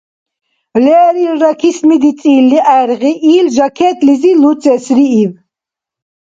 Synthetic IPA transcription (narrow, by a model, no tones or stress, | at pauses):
lɛːɾiɾɾakʰismid̪it͡sʼiːlːiʔaɛɾʁiʔiːlʒakʰɛːt̪ʼlizilut͡sʼɛsɾiːv